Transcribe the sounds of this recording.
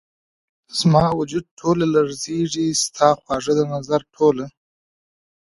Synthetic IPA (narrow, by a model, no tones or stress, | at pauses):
z̥mɑwʊd͡ʒud̪̚ʈʰolalaɾzeʐist̪ʰɑxwɑʐəd̪ənazaɾʈʰola